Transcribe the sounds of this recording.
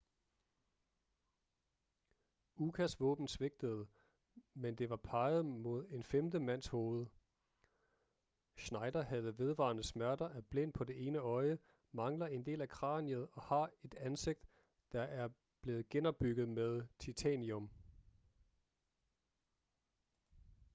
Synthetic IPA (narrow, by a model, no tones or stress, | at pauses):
ukʰæsʋɔ̰̽ːb̥n̩sʋe̝ɡ̥̚d̥əð̞̩ˠ | mend̥e̝ʋɑ̈pʰɑ̈ɪð̞̩ˠmo̝ð̞ˠe̝nfemd̥əmæn̰sho̝ːð̞ˠə | ʃnɑ̈ɪdɐhæð̞̩ˠəʋe̝ð̞ˠʋɑ̰̈ːnəsmæɐd̥ɐʔæb̥len̰pʰɒ̽de̝ʔe̝ːnəɒ̽ɪə | mɑ̈ŋlɐe̝nd̥e̝̰ːlækʰʁɑ̰̈ːniəð̩ˠɒ̽hɑ̈e̝d̥ænse̝ɡ̥̚d̥ | d̥ɑ̈ʔæɐ | b̥le̝ːð̩ˠɡ̥enɒ̽b̥ːyɡ̥ð̞̩ˠmeð̞ˠt͡sʰit͡sʰæniɔm